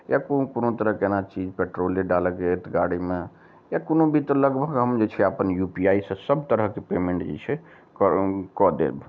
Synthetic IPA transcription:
jakokonot̪əɾəɦkenat͡ʃid͡ʒpeʈɾoleɖaləkd͡ʒet̪ɡaɽime | jakonobit̪ləɡbʱəɡɦəmd͡ʒet͡ʃʰɛapənjupiaisə̃səbʱt̪əɾəɦkepemeɳʈd͡ʒḛt͡ʃʰɛ | kɔd̪ḛlb

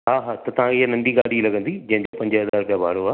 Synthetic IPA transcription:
ɦaːɦaːt̪ɐt̪ɐʋ̤ãkʰeɪɦanɐ̃ɳɖiɡaːɽilɐɡə̃nd̪id͡ʑɐ̃ɦɪ̃ɲd͡ʑopɐ̃ɲd͡ʑəɦɐzaːɾkabʱa̰ːɽoaː

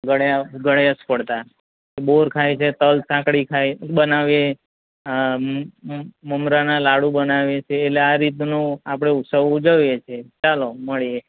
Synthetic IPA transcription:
ɡəɽɡəɽeaspəɽt̪a | teboɾkʰajt͡ʃʰet̪əlsãkɽikʰabənaʋje | məmɾanãlaɽũbənaʋjet͡ʃʰeːtleaɾit̪̬nũapɽ̃eut̪səʋud͡ʒəʋjet͡ʃʰet͡ʃaloməɭije

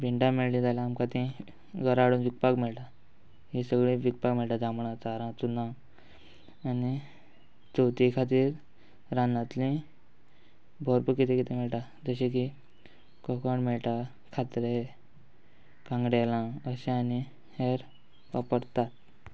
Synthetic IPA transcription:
biɳɖameɭlĩd͡zalaːmkat̪ĩ | ɡəɾaɽuːnʋik̚pakmɛɭʈa | ɦisəɡɭĩʋik̚pakmɛɭʈ̪ad͡zamɳãt͡saɾãt͡sunã | ani | d͡zot̪ikʰat̪iːɾ | ɾãnat̪lĩ | bʱɔɾpəkit̪ekit̪ʰemɛɭʈa | d͡zəɕẽk̬i | kɔkoɳmɛɭʈ̪a | kʰat̪ɾe | kãŋɡɽalãəɕẽani | heɾ | ʋapəɾt̪at̪̚

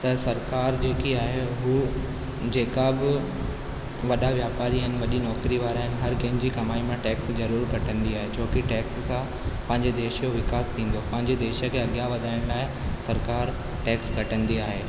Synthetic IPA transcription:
t̪ɐsɐɾkaːɾd͡ʑeːkiaːɦeɦuː | d͡ʑeːkabɪ | ʋɐɗaʋjaːpaːɾiənɪ̆ʋɐɗinɔːkɾiʋaːɾaːɦɪnɪ̆ɦɐɾkɐ̃ɦɪ̃ɲd͡ʑiːkɐmaːimãʈɛːkszɐɾuːɾkɐʈʰə̃nd̪iaːɦet͡ɕʰoːkɪʈɛːkskʰã | pɐ̃ɦɪ̃ɲd͡ʑed̪eːʃjoʋɪkaːst̪ʰĩːn̆d̪opɐ̃ɦɪ̃ɲd͡ʑed̪eːʃə̆kʰeːɐɠjaʋɐd̪ʱaːɪɽ̃laːɪsɐɾkaːɾ | ʈɛːkskɐʈə̃nd̪iaːɦeː

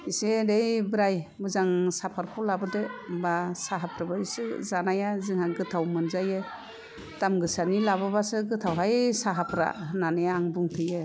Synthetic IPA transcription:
iseɾejbɾajbɯzaŋsapʰaɾkʰɔwlabɯdebasaɦapʰɾabaisɯzanajazɯŋhaɡɯtʰawmɯnzajɯ | tamɡɯsanilababasɯɡɯtʰawɦajsaɦapʰɾa̰nanɯjaːŋbuŋtʰɯjɯ

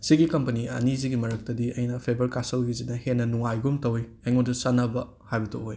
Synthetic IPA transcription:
siɡikɐmpɐniɐ̰niziɡimɐɾɐk̚tɐdiɐjnɐpʰebɐɾkasɐwɡizinɐhenːɐnuŋajɡumtɐwiɐjŋondusɐnɐbɐ | hajbɐtʰooj

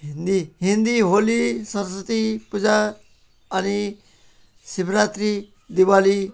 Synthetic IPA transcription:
ɦind̪iɦind̪iɦolisʌɾsət̪ipud͡za | ʌni | sibɾat̪ɾi | d̪iwali

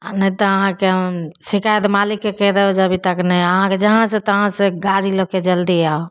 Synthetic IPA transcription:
nə̃t̪ɔəɦãkesikajt̪malikːekɛd̪ebd͡ʒəbʱit̪əknɛəɦãked͡ʒəɦãsẽt̪əɦãsẽɡaɾiloked͡ʒəld̪ia

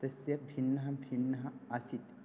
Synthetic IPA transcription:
t̪ɐsjɐbʱinːɐɦɐbʱiɳːɐɦɐɐsit̪

